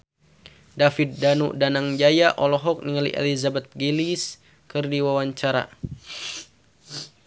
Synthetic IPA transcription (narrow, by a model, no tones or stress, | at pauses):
dafit̪̚danṵdanaŋd͡ʒajaʔɔlɔɦɔk̚niŋalḭʔɛ̰lizabɛt̪̚ɡilis | kɨrdiwawaɲt͡ʃaɾa̰